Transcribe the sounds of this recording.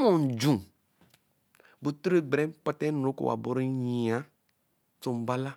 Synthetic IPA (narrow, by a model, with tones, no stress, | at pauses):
mõ˨d͡ʒũ˨ | bo˨t̪ɾe˦ɡ͡bɾɛ̃˦k͡pɔ˦t̪ɛ˦n˨õ˨˦ko̰˨wa̰˨bo˨ɾe˦ɲĩ˨a˨˦ | to˨m˨ba˦la˦